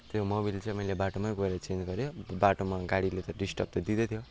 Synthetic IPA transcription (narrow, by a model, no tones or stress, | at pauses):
t̪jomobilt͡sʌ̃imʌilebaʈomajɡoeɾʌt͡send͡zɡʌɾjobaʈomaɡaɽilet̪ʌɖisʈʌp̚t̪ʌd̪id̪ʌt̪ʰjo